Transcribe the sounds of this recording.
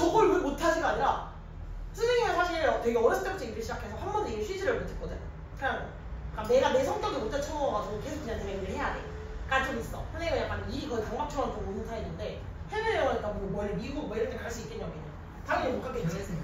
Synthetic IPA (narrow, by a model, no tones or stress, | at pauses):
t͡ɕʌɡɯɭmumotʰad͡ʑiɡaaɲiɾa | sʰɯsʰeŋimenswaɕʰiɾatweɡeʌɾʌs͈ʰɯt͡ɕ͈ʌk̚t͡ɕ͈eɡiɾɯɭɕid͡ʑakʰe̞sʰʌɸʰanbʌneɡiɭɕʰɥid͡ʑiɾɯɭmotʰek͈ʌdɯɲo | kɯɲaŋ | k͈ane̞ɡane̞sʰʌŋt͡ɕ͈ʌɡimotʰat͡ɕʰʌŋʌɡad͡ʑiɡokesʰok͈ːɯɲand͡ʑʰineɡiɾɯɭhe̞jadḛ | k͈atʰɯmis͈ʌpʰɯɭːeɡajak͈anikɯtaŋɡap̚t͡ɕʰʌŋank͈ʰomonɯntʰaenːɯnde̞ | ɸeɡɯɭʌŋʌɲik͈anmʌmwʌɭbiuwʌiɾʌntdʰekaɭs͈uik͈eɲjʌkeɲːa | taŋɯmemok͈ʰak͈ʰːed͡ʑe